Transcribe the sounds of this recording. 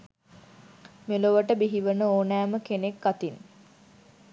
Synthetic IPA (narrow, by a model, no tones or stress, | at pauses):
meloʋəʈəbiɦiʋənəoːnæːməkenekɡat̪in